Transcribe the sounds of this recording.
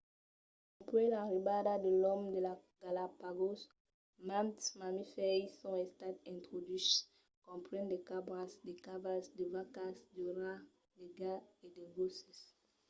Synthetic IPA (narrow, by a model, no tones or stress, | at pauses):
apɾɛlaɾibadadelɔmdelaɡ̥alapaɡos | mãntmamifɛjsɔ̃ɛstatɛ̃ntʁodis | kɔ̃mpɾɛ̃ndekabɾasdekavasdevakasdəɾa | deɡaedeɡosɛs